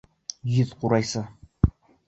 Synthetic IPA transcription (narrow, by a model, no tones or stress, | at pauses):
jɵðquɾɑjsɤ